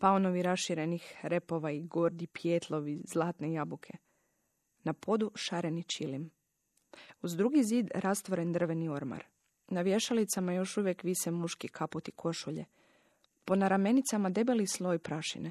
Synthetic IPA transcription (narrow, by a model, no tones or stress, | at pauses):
paono̞ʋiɾasʃiɾe̞nixɾe̞po̞ʋaiɡo̞ɾd̪ipjet̪ʰlˠo̞ʋizlˠaːt̪nejabukʰe̞ | napʰo̞d̪uʃaɾe̞nit͡ʃilim | uzd̪ɾuɡiziːd̪ɾast̪ʋoɾe̞nd̪r̩ʋe̞nio̞ɾma̰ɾ | naʋje̞ʃalit̪samajo̞ʃuʋjekʋisemuʃkikʰaput̪ikʰo̞ʃuʎḛ | po̞naɾame̞nit̪samad̪e̞belislˠo̞ːjpɾaʃḭne